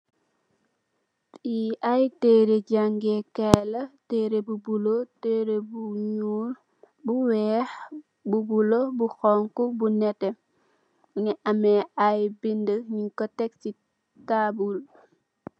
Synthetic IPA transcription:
tiʔajteːɾeɟaŋɡekɛlɐteːɾebubuloteɾebuɲul | buwɛːx | bubulobuxɔŋkubunɛte | ŋɛʔameajbindəɲiŋkɔtɛk̚si | tabul

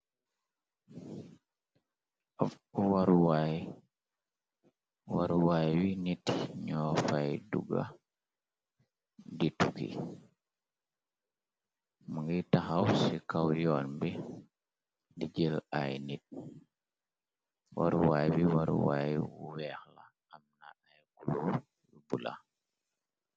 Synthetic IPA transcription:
ɔf | uwaɾwaj | waɾuwajwinitɲɔːfajdṵɡa̰ | ditukḭ | muŋɡitaxawsikawjɔːnbi | diɟila̰jnit̚ | waɾuwaːjbiwaɾṵwajwṵwɛːxla̰ː | mna̰ajkuluː | wibula̰

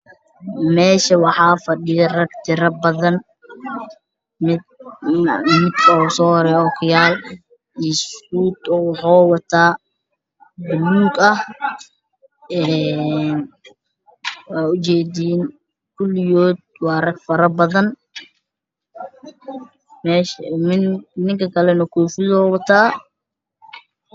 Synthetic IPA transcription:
mɛːʃɐwɑħɑːfɐɖɪjɐrɐɡt̪ʰɪɾɐbɐðɐn | mɪ | mɪd̪kʰɐɔsɔːhɔɾɛːɔːkʰʊjaːl | ʔisuːt̪ʊnwɑħɔːwɑt̪ʰaː | bʊluːɡɐh | ɛn | wɑːʊt͡ʃɛːdiːn | kʰʊlɪjɔːd̪̚wɑːrɐɡfɐɾɐbɐðɐn | mɛːʃɪnɪŋkʰɐkʰɐlɛnɔkʰɔːfɪðɔwɑt̪ʰaː

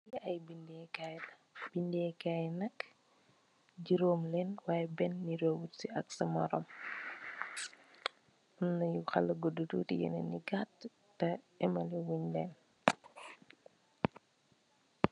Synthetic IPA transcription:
iɐjbindɛkaj | b̥indɛkajnɐk | ɟiɾoːmlɛnwaːjɛbɛnːiɾowutsiʔɐksɐmɐɾɔ̰m | ɔnːɐjuxɐ̰lɐɡɔdutṵtḭjɛ̰nɛ̰niɡatː | ɐ | ɛmɐliwuɲlɛːn

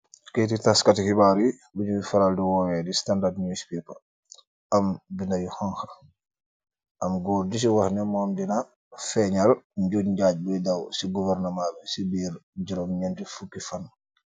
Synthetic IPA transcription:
ketitaskatihibaɾi | buɲumifaɾaldiwɔːwɛdistandardɲuispipa | ambindajuhɔŋxa | ʔamɡɔːɾdis̬iwahnɛmɔmdina | fɛɲalɲɟoɲɟaːɟ̚bɔjdawsiɡuvɛɾnamabɛsibiːɾd͡ʒiɾɔmɲɛntifukːifanː

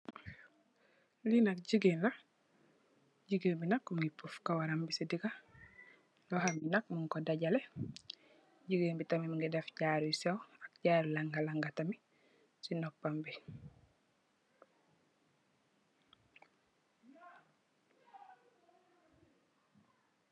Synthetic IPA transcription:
linak̚ɟiɡenla | ɟiɡebinakuŋɡipufkawaɾambisidiɡa | lohaminak̚muŋkodaɟale | ɟiɡeːnbitamimiŋɡidefɟaɾisewak̚ɟaːɾlaŋɡalaŋɡatami | sinopːambi

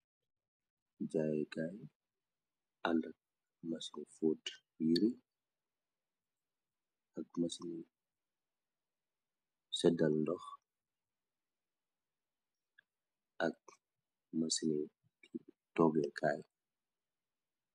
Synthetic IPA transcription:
d͡ʒajɛɡaj | ʔanak̚ | masinfut | wiɾi | ak̚masini | sɛdalndɔx | ʔak̚ | masini | itɔɡɛkʰaj

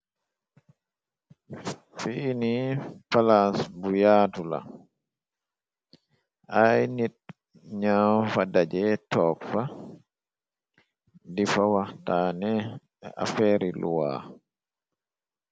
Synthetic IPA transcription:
fiːnipalasbujaːtula̰ | ʔajnit̚ | ɲafadad͡ʒɛtɔːkfa | difawatanɛ | ʔa̰fɛɾilṵwa̰

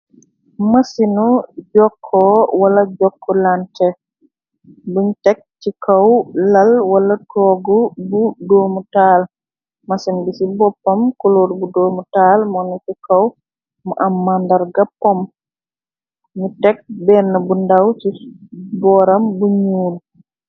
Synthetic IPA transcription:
masinud͡ʒɔkʰːɔwalaɟɔkʰːɔlantɛ | buɲutɛk̚t͡ʃikawlalwalatɔɡubudoːmutaːl | masinbisibɔpːɔmkoloːɾbudoːmutalmɔnut͡ʃikaw | muʔamːandaɾɡapɔm | ɲutɛk̚bɛnɐbundawt͡ʃibɔɾambuɲuːl

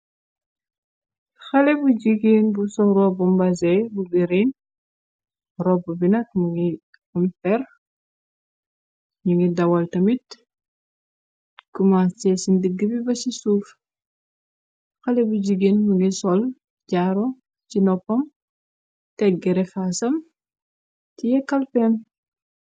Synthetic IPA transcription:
xɐlɛbuɟiɡinbusɔɾɔbumbazɛbuɡiɾin | rɔbubinɐk̚muŋɡi | umfɛr | ɲuŋɡidɐwɐltɐmit | kumast͡ʃɛsindəɡːəbibɐsisuːf | xɐlɛbuɟiɡinmuŋɡisɔl | ɟaɾo | t͡ʃinɔpːɐm | tɛɡɛɾɛfasɐm | tijɛkːɐlpɛn

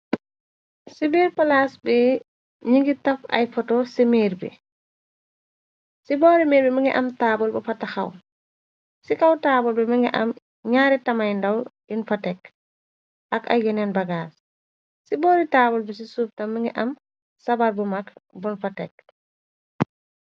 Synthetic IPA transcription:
sibiɾpalasbɛ | ɲiŋɡitafa̰jfɔtɔsimeɾbɛ̰ | sibɔɾimeɾbɛmiŋɡɛʔamtaːbɔlbɛfatːaxa̰w | sikawtaːbɔlbɛmiŋɡɛʔa̰m | ɲaɾɛtamajndawdinfatɛk | ʔaka̰jjɛnɛnbaɡas | sibɔːɾitabɔlbɛs̬isub̚tamːiŋɡɛʔam | sabaɾbɔmakbɔnfatɛk̚

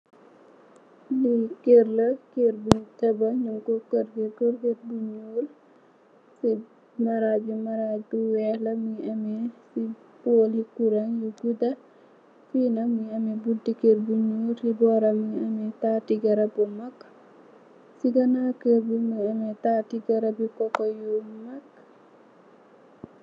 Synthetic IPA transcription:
likerlɐkerbutɐbɐɲuŋkokəɾɡekoɾketbuɲul | si | mɐɾabumɐɾac̚buwɛhlɐmiʔɐmɛsi | poːlikuɾɐŋjuɡudɐ | finɐmiɐmɛbudikerbuɲuːlsibɔːɾɐmiɐmɛtaːtiɡɐɾɐbumɐk | siɡɐnakəɾbumiɐmɛtatiɡɐɾɐbikɔkɔjumɐk

